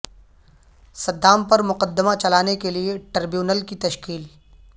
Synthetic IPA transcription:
sɐd̪ːaːmpɐɾmʊqəd̪ːəmat͡ʃɐlaːnekelieʈəɾbjuːnəlkit̪ɐʃkiːl

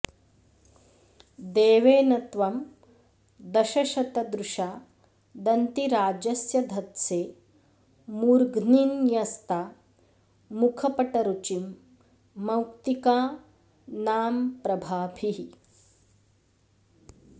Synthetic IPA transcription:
d̪eːʋeːnɐt̪ʋɐm | d̪ɐʃɐʃɐt̪ɐd̪ɾuʃaː | d̪ɐnt̪iɾaːd͡ʒɐsjɐd̪ʱɐt̪seː | muːɾɡniːnjɐst̪a | mukʰɐpɐʈɐɾut͡ʃimː | ɐwkt̪ikaː | naːmpɾɐbʱaːbʱi

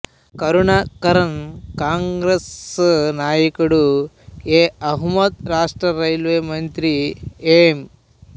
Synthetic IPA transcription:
kɐɾuɳaːkɐɾɐnkaːŋɡɾesnaːjɐkɐɽu | eːɐɦmɐd̪ɾaːʂʈɾɐɾɐjlʋemɐnt̪ɾiem

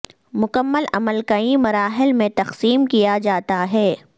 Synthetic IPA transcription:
mʊkəmːəlɐməlkaĩmɐɾaːɦɪlmẽt̪ɐqsiːmkijad͡ʒaːt̪aɦɛː

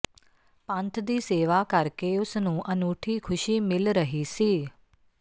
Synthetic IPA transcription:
pãnt̪ʰd̪iːseːʋakəɾkeʊsnũʔənuːʈʰikʰʊʃimɪlɾəɦisiː

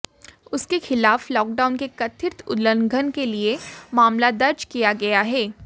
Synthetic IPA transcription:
ʊskexɪlaːflɔːk̚ɖaːʊnkekɐt̪ʰɪɾt̪ʰʊ̰lənɡʱənkeliemaːmlad̪ɐɾd͡ʒkijaɡɐjaɦɛː

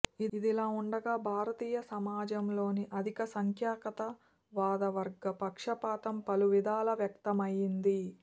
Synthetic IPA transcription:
iid̪ilaːuɳɖɐɡaːbʱaːɾɐt̪iːjɐsɐmaːd͡ʒɐmlo̞ːniʔɐd̪ʱikɐsɐŋkʰjaːkɐt̪ɐ | ʋaːd̪ɐʋɐɾɡɐpɐkʂɐpaːt̪ɐmpɐluʋid̪aːlɐʋjɐk̚t̪ɐmɐjind̪i

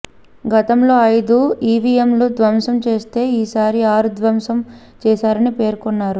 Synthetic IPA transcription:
ɡɐt̪ɐmlo̞ːɐjd̪uiːʋiːemlud̪ʋɐmsɐmt͡ʃe̞ːst̪e̞ːiːsaːɾiaːɾud̪ʋɐmsɐm | t͡ʃɛːʃaːɾɐnipe̞ːɾkonːaːɾu

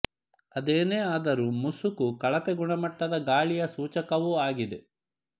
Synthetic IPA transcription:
ɐd̪eːneːaːd̪ɐɾumusukukɐɭɐpeɡuɳɐmɐʈːɐd̪ɐɡaːɭijɐsuːt͡ʃɐkɐʋuaːɡid̪e̞

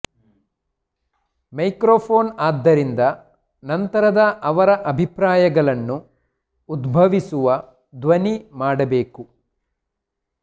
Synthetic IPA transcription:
mɐjkɾoːpʰoːnaːd̪ːɐɾind̪ɐ | nɐnt̪ɐɾɐd̪ɐʔɐʋɐɾɐʔɐbʱipɾaːjɐɡɐɭɐnːu | ud̪bʱɐʋisuʋɐ | d̪ʋɐnimaːɽɐbeːku

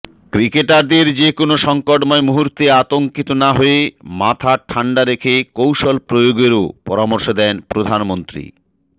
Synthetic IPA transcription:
kɾikeʈaɾd̪eɾd͡ʑekonoʃɔŋkɔʈmɔemuɦuɾt̪eat̪oŋkit̪onaɦoemat̪ʰaʈʰaɳɖaɾekʰekowʃɔlpɾojoɡeɾopɔɾamoɾʃod̪ɛnpɾod̪ʱanmont̪ɾḭ

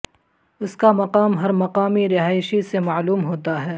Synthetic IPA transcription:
ʊskamɐqaːmɦɐɾmɐqaːmiɾɪɦaːɪʃisemaːluːmɦoːt̪aɦɛː

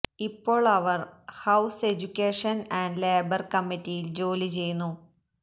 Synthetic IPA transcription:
ipːo̞ːɭɐʋɐrhɐwsed͡ʑukʲːeːʂɐnɐndleːbɐrkɐmːiʈːijild͡ʑo̞ːlit͡ɕe̞jːunːu

